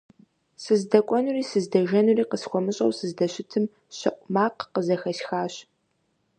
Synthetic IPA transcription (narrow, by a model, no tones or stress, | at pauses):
sɨzdɐkʷʼɔnuriːsɨzdɐʒɐnuriːqəsxʷɔmɨɕʼɐ̰wsɨzdɐɕɪtʰɨm | ɕɐʔʷʼmaːqqəzɐxɐɕxaːɕ